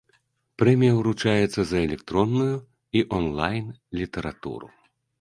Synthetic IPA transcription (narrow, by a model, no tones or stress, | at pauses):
pɾɛmʲijɐwɾut͡ʂajɛt̪sːɐzɐɛlʲɛkt̪ɾɔnːuju | iʔɔnlˠajnlʲit̪ɛɾat̪ṵɾṵ